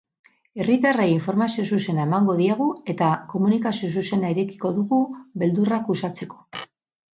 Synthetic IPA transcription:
e̞rit̪arajiɱfo̞ɾmasio̞s̬use̞nae̞maŋɡo̞ðiaɣ̞ue̞t̪ako̞munikasio̞suse̞naiɾe̞ki̥ko̞ðuɣuβe̞ld̪urakusat͡se̞ko̞̥

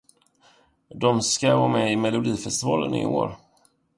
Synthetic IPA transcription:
d̪ɔmskavɑːmɛɪmɛlʊd̪iːfɛst̪ɪvɑːlənɪ̰o̰ːɾ

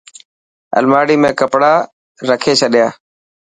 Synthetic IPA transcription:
ə̰lmaːɽiːmẽːkəpɽaː | ɾəkʰeːt͡ʃʰəɗjaː

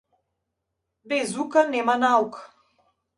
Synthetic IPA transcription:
bɛzukanɛmanauk

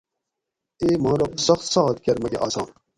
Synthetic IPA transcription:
eːmɑ̃ːɾosɐxt̪sɑːɦɐt̪̚kʲɐɾmɐɡḛʔɑːsɑːn

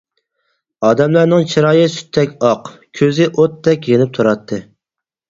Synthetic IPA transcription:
ɑːd̪ɛmlæɾnɨŋt͡ʃʰiɾɑːjɨsy̥t̪ʰːɛkʲɑqkʲʰøzɪʔot̪ːɛkʲjenɪp̚t̪ʰuɾɑt̪ʰːɨ

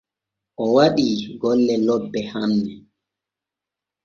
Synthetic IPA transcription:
ʔɔwaɗiɡɔlːɛlɔbːɛhamnɛ

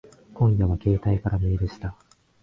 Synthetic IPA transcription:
kõ̞ŋ̃jaβake̞ːt̪aikaɾamʲieɾɯɕi̥t̪a

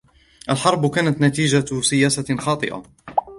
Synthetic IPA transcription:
ʔalħɑɾˤbkaːnat̪nat̪iːd͡ʒasɪjaːsaxɑːt̪ˤɨ̰ʔa̰

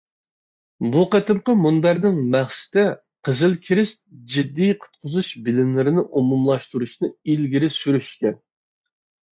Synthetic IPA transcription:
buqət̪ɨmqəmunbæɾnɪŋmæχsɪ̥t̪ɛ | qʰəzɨlkʲʰiɾɪst̪̚d͡ʒid̪ːijqʰʊ̥t̪̚qʰʊzuʃbɪlɪmlɪɾɪnɪʔumumlˠɑʃt̪uɾuʃnɨilɡʲiɾɪsyɾyʃkʲɛn

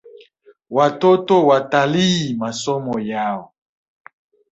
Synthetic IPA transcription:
watotowatalimasɔmɔjawo

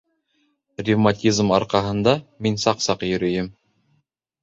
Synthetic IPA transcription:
rʲivmatʲizmɑɾqɑɦɤ̆nd̪ɑminsɑqsɑqjɵ̆ɾɵ̆jɘm

